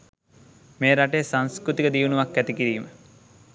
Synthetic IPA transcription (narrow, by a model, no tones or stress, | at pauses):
meːɾaʈeːsaŋskɾut̪ikəd̪iːʋunuʋakːæt̪ikiɾiːmə